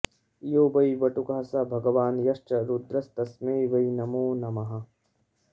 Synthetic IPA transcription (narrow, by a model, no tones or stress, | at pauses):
joːbɐjʋɐʈukaːsabʱɐɡɐʋaːnjɐʃt͡ʃɐɾud̪ɾɐst̪ɐsmeːʋɐinɐmoːnɐmɐɦɐ